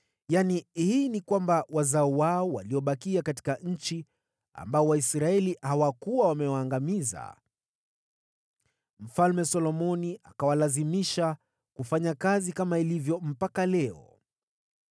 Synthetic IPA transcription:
janihiːnikwambawazaɔwaɔwaliɔɓakiakati̥kaɲ̩t͡ʃi | a̰mbaɔwaisɾaɛlihawakuwawamɛwaːŋɡamiza̰ | m̩falmɛsɔlɔmɔniʔakawalazimiʃa | kufaɲakazikamailivjɔm̩pakalɛɔ̰

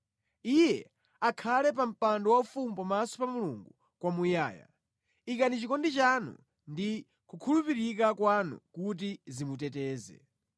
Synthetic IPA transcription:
ijɛ | akʰalɛp̬am̩pandɔwaufumupamasɔ̥pamuluŋɡu | kwamujaːja̰ | ikanit͡ʃikɔndit͡ʃanṵ | ndi | kukʰulupiɾikakwanṵkut̬izimutɛtɛːzɛ̰

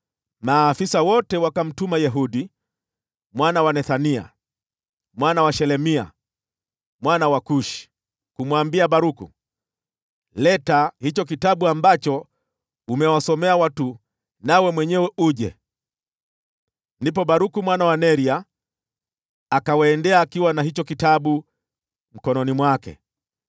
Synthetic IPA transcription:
maːfisawɔtɛwakam̩tumajɛɦuɗi | mwanawanɛθania̰ | mwanawaʃɛlɛmia̰ | mwanawakuʃi̥ | kumwambiaɓaɾukṵ | lɛtahit͡ʃɔk̬itaɓuambat͡ʃɔ | umɛwasɔmɛawatu | nawɛmwɛɲɛwɛʔuʄɛ̰ | ndipɔɓaɾukumwanawanɛɾia | kawaːndɛaːkiwanaɦit͡ʃɔkitaɓu | m̩kɔnɔnimwakɛ̰

